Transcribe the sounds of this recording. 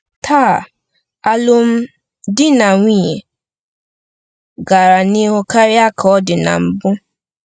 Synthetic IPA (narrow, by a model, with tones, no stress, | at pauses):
tʰaː˦˨ | a˦lʊ˦m̩˦ | dɪ˦na˨ŋʷi˦ɲe˨ | ɡa˨ɾa˨ni˦ɦʊ˦ka˦ɾɪ˦a˦kʰɔ˦dɪ˨na̰˨m̩˨bʊ˦